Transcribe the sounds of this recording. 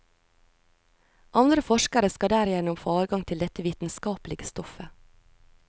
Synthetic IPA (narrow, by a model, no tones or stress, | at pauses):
ʔɑnd̪ɾəfɔʃkəɾəskɑd̪æːɾjɛnʊmfoːɑːɾɡɑŋt̪ʰɪld̪ɛt̪əʋiːt̪n̩skɑːplɪɡəst̪ɔfə